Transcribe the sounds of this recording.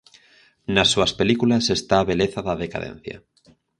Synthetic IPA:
nasːuaspe̞likulasest̪aːβeleθaðaðeka̰ðḛn̟θja̰

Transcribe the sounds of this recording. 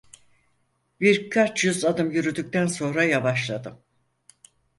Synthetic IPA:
biɾkʰat͡ʃjyzad̪ɯmjyɾyd̪yc̚t̪ænso̞nɾajavaʃlˠad̪ɯm

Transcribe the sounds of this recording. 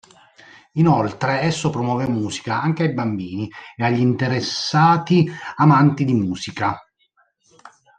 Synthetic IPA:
inolt̪ɾeɛsːopɾomwɔːvɛmːuːsi̥kaaŋk̟eajbambiːnieaʎːint̪eɾesːaːt̪iamant̪id̪imuːsika

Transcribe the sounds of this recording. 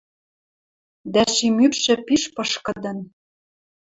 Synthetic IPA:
d̪æʃimykʃɘ̆piʃpɤ̆ʃkɤ̆d̪ɤ̆n

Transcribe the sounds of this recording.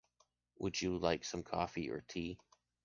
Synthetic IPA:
wʔəd͡ʒɨlaɪksʌ̃mkʰɔfiə̰˞tʰi

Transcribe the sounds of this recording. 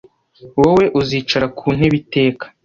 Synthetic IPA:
wowe̞ʔuziːt͡ʃaɾakʰuːn̥eβite̞ːkḁ

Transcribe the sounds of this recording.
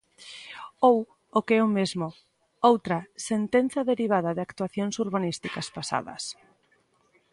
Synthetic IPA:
ow | okeɛʊmezmʊ | owt̪ɾɐsent̪en̟θjɐðeɾiβ̞aðɐðɪakt̪waθjoŋsuɾβanist̪ikɐspasa̰ðɐ̰s

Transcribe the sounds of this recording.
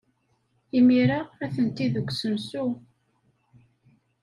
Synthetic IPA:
imiɾaæθənt̪iðəɡʷːsəmsu

